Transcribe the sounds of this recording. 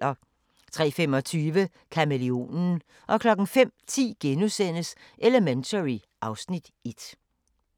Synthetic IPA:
ɐ | t͡sʰʁɛ̰ːfem̰ɒ̽t͡sʰyːʋə | kʰæmelio̝̰ːnn̩ | ʔɒ̽kʰlɒ̽ɡ̥ŋ̩fem̰t͡sʰḭːɡ̥enusen̰əsʔeləment͡sʰəʁi | ʔɑ̈ʊsnid̥ed̥

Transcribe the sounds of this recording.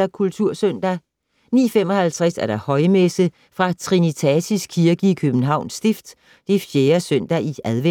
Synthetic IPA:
ɐkʰult͡sʰuɐ̰søn̰d̥æ | nḭːfemɒ̽hælt͡sʰʁasæɐɾ̥ɑ̈hɒ̽ɪmesə | fʁɑ̈t͡sʰʁinit͡sʰɛsisɡ̥̚kʰiɐɡ̥əikʰøb̥n̩ɦɑ̈ʊ̰nsd̥efd̥ | d̥efjeːɐsøn̰d̥æʔiæðˠʋe

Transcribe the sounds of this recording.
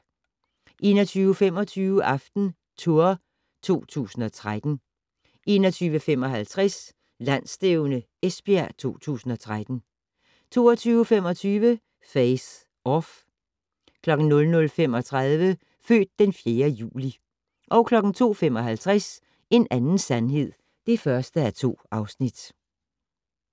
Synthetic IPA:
ʔe̝̰ːnɒt͡sʰyːʊəfem̰ɒ̽t͡sʰyːʊəʔɑ̈fd̥n̩ | t͡sʰo̝ɐ | t͡sʰo̝̰ːt͡sʰṵːsn̩ɒ̽t͡sʰʁad̥n̩ | ʔe̝ːnɒt͡sʰyːʋəfem̰ɒ̽ɦælt͡sʰʁas | læn̰sd̥eʊnə | esb̥iæt͡sʰo̝̰ːt͡sʰṵːsn̩ɒ̽t͡sʰʁad̥n̩ | t͡sʰo̝̰ːɒt͡sʰyːʊəfemɒ̽t͡sʰyːʋə | feɪs | ɒf | kʰlɒ̽ɡ̥n̩nɔ̽lnɔ̽lfem̰ɒ̽t͡sʰʁaðˠʋə | fø̰ːd̥̚ːenfje̝ːɐjṵːli | ʔɒ̽ʊkʰlɒ̽ɡ̥n̩t͡sʰo̝̰ːfem̰ɒ̽ɦælt͡sʰʁas | e̝nænn̩sænɦe̝ð̞̰ˠ | d̥e̝fɶɐsd̥əæɐt͡sʰo̝̰ːɑ̈ʊsnid̥

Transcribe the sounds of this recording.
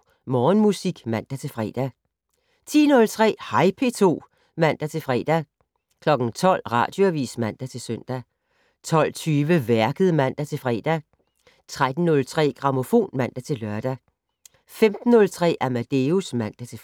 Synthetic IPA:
mɒːnmusiɡ̥mæn̰d̥æt͡sʰe̝fʁɛ̰ːd̥æ | t͡sʰḭːnɔ̽lt͡sʰʁɛ̰ːhɑ̈ɪpʰe̝t͡sʰo̝̰ː | mæn̰d̥æt͡sʰe̝lfʁɛ̰ːd̥æ | kʰlɒ̽ɡ̥n̩t͡sʰɒ̽l̰ʁɑ̰̈ːd̥jo̝æʋḭːsmæn̰d̥æt͡sʰe̝lsøn̰d̥æ | t͡sʰɒ̽l̰t͡sʰyːʋəʋæɐɡ̥əð̩ˠmæn̰d̥æt͡sʰe̝fʁɛ̰ːd̥æ | t͡sʰʁad̥n̩ːɔ̽lt͡sʰʁɛ̰ːɡ̥ʁɑ̈mo̝fo̝̰ːnmæn̰d̥æt͡sʰe̝lɶɐd̥æ | femd̥n̩ːɔ̽lt͡sʰʁɛ̰ːʔæmæd̥e̝usmæn̰d̥æt͡sʰe̝

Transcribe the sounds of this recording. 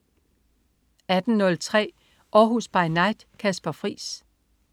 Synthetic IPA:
æd̥n̩nːɔ̽lt͡sʰʁɛ̰ː | ʔɒːɦusb̥ɑ̈ɪnɑ̈ɪd̥kʰæsb̥ɐfʁḭːs

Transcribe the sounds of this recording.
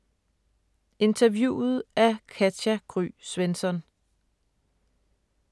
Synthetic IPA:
e̝nt͡sʰɐʋjṵːð̩ˠæɐkʰæd̥æɡ̥ʰʁy̰ːsʋensɒ̽n

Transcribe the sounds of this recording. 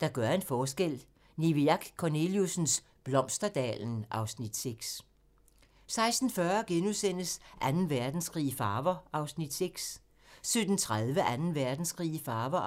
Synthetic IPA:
d̥ɑ̈ɡ̥ɶɐe̝nfɒːsɡ̥el̰ | niʋiɑ̈ɡ̥kʰːone̝ljusn̩s | b̥lɒ̽m̰sd̥ɐd̥ɛ̰ːln̩ʔɑ̈ʊsnid̥seɡ̥s | sɑ̈ɪsd̥n̩fɶːɐɡ̥enusen̰əsʔænn̩ʋæɐd̥n̩sɡ̥ʁḭːfɑ̈ːʋɐʔɑ̈ʊsnid̥seɡ̥s | sød̥n̩t͡sʰʁaðˠʋəʔænn̩ʋæɐd̥n̩sɡ̥ʁḭːfɑ̈ːʋɐ

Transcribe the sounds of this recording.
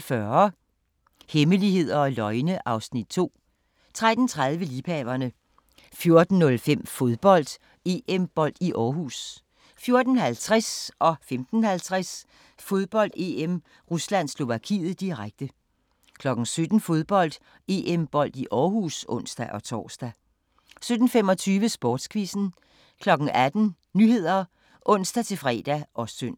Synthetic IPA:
fɶɐ | heməlihe̝ð̞̰ˠɐɒ̽lɒ̽ɪnəʔɑ̈ʊsnid̥̚t͡sʰo̝̰ː | t͡sʰʁad̥n̩t͡sʰʁað̞ˠʋəliːpʰɛːʋɐnə | fjo̝ɐd̥n̩ːɔ̽lfem̰fo̝ð̞ˠb̥ɒ̽l̰d̥ | e̝emb̥ɒ̽l̰d̥iʔɒːɦus | fjo̝ɐd̥n̩hælt͡sʰʁɛsʔɒ̽femd̥n̩hælt͡sʰʁas | fo̝ð̞ˠb̥ɒ̽l̰d̥e̝em | ʁuslæn̰slo̝ʋækʰḭːð̩ˠd̥iʁaɡ̥̚d̥ə | kʰlɒ̽ɡ̥n̩sød̥n̩fo̝ð̞ˠb̥ɒ̽l̰d̥ | e̝ʔemb̥ɒ̽l̰d̥iʔɒːɦuːsɔ̽n̰sd̥æʔɒ̽t͡sʰɒ̰ːsd̥æ | sød̥n̩fem̰ɒ̽t͡sʰyːʋəsb̥ɒːd̥skʰʋisn̩ | kʰlɒ̽ɡ̥ŋ̩æd̥n̩ | nyhe̝ð̞̰ˠɐ | ʔɔ̽n̰sd̥æt͡sʰe̝fʁɛ̰ːd̥æʔɒ̽sd̥øn̰

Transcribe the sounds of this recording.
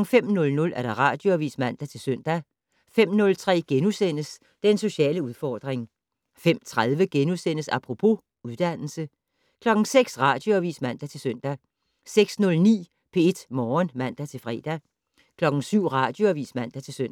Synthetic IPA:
ŋ̩fem̰nɔ̽lnɔ̽lʔæɐd̥ɑ̈ʁɑ̈d̥jo̝æʋḭːsmæn̰d̥æt͡sʰe̝lsøn̰d̥æ | fem̰nɔ̽lt͡sʰʁɛ̰ːɡ̥enusen̰əs | d̥eenso̝ɕɛ̰ːləuð̞ˠfɒːd̥ʁeŋ | fem̰t͡sʰʁað̞ˠʋəɡ̥enusen̰əsɑpʰʁo̝pʰo̝ | uðˠd̥æn̰l̩sə | kʰlɒ̽ɡ̥ŋ̩seɡ̥sʁɑ̈d̥jo̝æʋḭːsmæn̰d̥æt͡sʰe̝lsøn̰d̥æ | seɡ̥snɔ̽lnḭː | pʰe̝e̝d̥mɒːnmæn̰d̥æt͡sʰe̝lfʁɛ̰ːd̥æ | kʰlɒ̽ɡ̥ŋ̩syʊ̰ʁɑ̈d̥jo̝æʋḭːsmæn̰d̥æt͡sʰe̝lsøn̰

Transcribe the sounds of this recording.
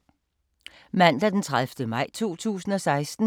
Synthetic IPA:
mæn̰d̥æd̥ent͡sʰʁaðˠfd̥əmɑ̈ɪ̰t͡sʰo̝̰ːt͡sʰṵːsn̩ɒ̽sɑ̈ɪsd̥n̩

